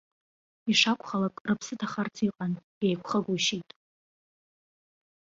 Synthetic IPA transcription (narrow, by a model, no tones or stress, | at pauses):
iʂakʷʰʼχalakʼrɨpʰsɨtʰaχart͡sʰiqʼan | ejkʷʰχəɡʷuʃitʼ